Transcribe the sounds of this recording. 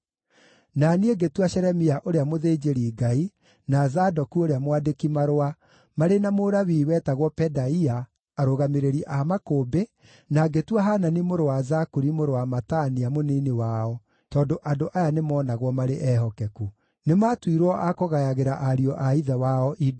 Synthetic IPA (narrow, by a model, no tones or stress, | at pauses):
nanieɡetwaɕɛɾɛmiaʔoɾeamoðeːd͡ʒeɾiːɡai | nazadɔkuoɾeamwadekimaɾoa | maɾenamoɾawiːwɛtaɣwɔpɛdaiaː | ɾoɣameɾeɾiʔamakoːbe | naɡetwaɦaːnanimoɾowazakuɾimoɾowamataniamoniːnewaɔ | tɔːndoʔadoʔajanemɔːnaɣwɔmaɾeʔɛɦɔkɛku | nematwiɾɔʔakoɣajaɣeɾaʔaɾiɔʔaiðawaɔʔid